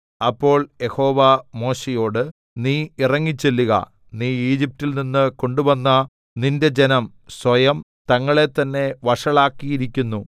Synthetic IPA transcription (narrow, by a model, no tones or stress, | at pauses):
ɐpːo̞ːɭje̞ho̞ːʋɐmo̞ːɕejo̞ːɽɨ | niːirɐŋːit͡ɕːelːuɣɐ̰ | niːiːd͡ʑip̚tːilninːɨko̞ɳɖuʋɐnːɐ | ninde̞d͡ʑenɐm | sʋɐjɐm | t̪ɐŋːɐɭe̞t̪ːɐnːe̞ʋɐʂɐɭaːkːijiɾikʲːunːu